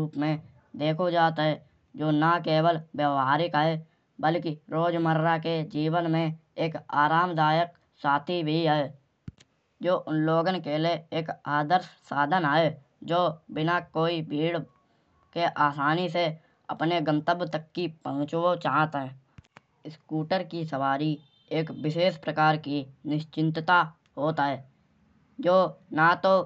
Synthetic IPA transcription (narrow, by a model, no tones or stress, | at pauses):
uːpmẽ | d̪eːkʰod͡ʒaːt̪aɦɛ | d͡ʒoːnakeːwəlbjəʋaːɾɪkɦe | bəlkiɾoːd͡ʒməɾɾaked͡ʒiːwənmẽeːkaːɾaːmd̪aːjək̚ | saːt̪ʰibʱiɦɛ | d͡ʒoːʔʊnloːɡənkeleeːkaːd̪əɾssaːd̪ʱənɦe | d͡ʒoːbɪnakoːibʱiːɽ | keʔaːsaːnise | ə̰pneɡə̃mt̪əbt̪əkːipəɦʊ̃t͡ʃot͡ʃaːt̪ɦɛ | ɪskuːʈəɾkisəʋaːɾi | eːkbɪʃeːspɾəkaːɾkinɪʃt͡ʃɪ̃nt̪t̪a | ɦoːt̪aɦɛː | d͡ʒoːnat̪o